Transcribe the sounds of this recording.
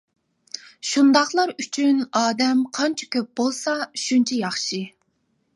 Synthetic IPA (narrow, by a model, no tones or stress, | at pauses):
ʃund̪ɑχlˠɑɾyt͡ʃʰynɑːd̪ɛmqʰɑnt͡ʃʰɛ̥kʲøp̚bolˠsɑʃunt͡ʃʰɛjɑχʃi